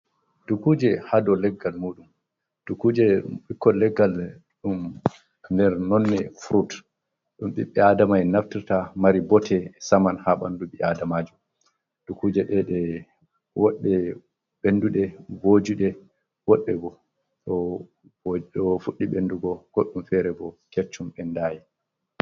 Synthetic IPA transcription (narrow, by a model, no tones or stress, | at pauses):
d̥ukud͡ʒɛhadɔlɛɡːalmuːɗum | d̥ukuːd͡ʒɛɓikːɔlɛɡːal | ɗum | ndɛɾnɔnːɛfɾut | ɗumɓḭɓːɛadamajnaftiɾtamaɾibɔtʰɛsamanhaɓa̰ndubiadamad͡ʒum | dukud͡ʒɛɗɛɗɛ | wɔɗːɛ | ɓenduɗɛbod͡ʒuɗɛ | wɔɗːɛbɔ | ɗɔ | ɗɔfuɗːiɓenduɡɔɡ̥ɔɗːumfɛɾɛbɔket͡ʃːumɓɛndaːji